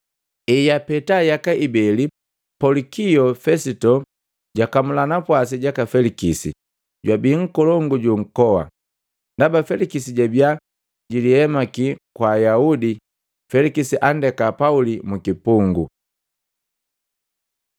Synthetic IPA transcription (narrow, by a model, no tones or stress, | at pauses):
ɛjapɛtajakaʔibɛli | pɔlikijɔfɛsitɔ | ɟakamulanapwas̬iɟakafɛlikisḭ | ɟwabiŋ̩kɔlɔŋɡuɟuŋ̩kɔwa̰ | ndabafɛlikisiɟabja | ɟilihɛmakikwajaudi | fɛlikisiʔandɛkapaulimukipuŋɡṵ